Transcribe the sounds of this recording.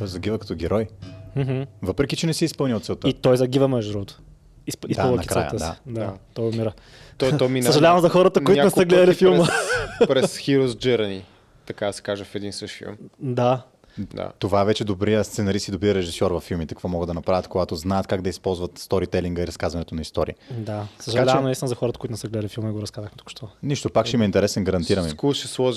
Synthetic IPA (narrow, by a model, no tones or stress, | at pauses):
t̪ɔjzɐɡʲivəkɐ̥t̪ɔɡʲɛɾɔjm̩ɦ̩vɤpɾɛkit͡ʃɛnɛsɛispɤlˠniot̪sɛlˠt̪əit̪ɔjzɐɡʲivəmɛʒdd̪ɾɔot̪o̥ | isisd̪alˠɐnɐikɾaa̰jə̰t̪əd̪ḭ̥d̪at̪ɔjomiɾə | t̪t̪ɔjminsɐʒɐlʲavɐmzɐxɔɾət̪əoitak̪ʊnɛsəɡlɛd̪əlifilˠməpɾɛsxiɾozd͡ʒɛɾɐni | t̪ɐkad̪ɐsɛ̥kaʒəfɛd̪insəʃfiḭmd̪a | d̪a̰t̪ovaɛvɛt͡ʃɛd̪obɾijəst̪sɛnɐɾisk̪id̪obɾiəɾɛʒisɔɾvɐfːilˠmit̪ɐ̥kvɔmɔɡəd̪d̪ɐnɐpɾavʲjət̪̚koɡat̪oznaɛɐt̪kaɡd̪ɐispɔlˠzvɐt̪st̪ɔɾit̪ɛliŋɡəiɾɐskazvɐnɛt̪onɐist̪ɔɾḭid̪assəʒɐaavɛɐmɛist̪inəzɐxɔɾət̪əkoʊit̪ʊnɛsɛɡlɛd̪əlʲifilˠmɐnɛɡoɾɐskazəxmɛt̪u̥kʊ̥ʃt̪ɔniʃt̪opakʃɛimɐint̪ɛɾɛsɛnɡɐɾɐnt̪iɾɐmikɔʃɛslˠɔʒ